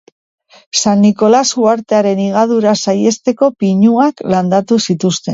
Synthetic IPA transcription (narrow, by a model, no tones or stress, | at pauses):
sanːiko̞lasuaɾt̪e̞aɾe̞niɣ̞að̞uɾasaje̞st̪e̞ko̞piɲuakland̪at̪usit̪ust̪e̞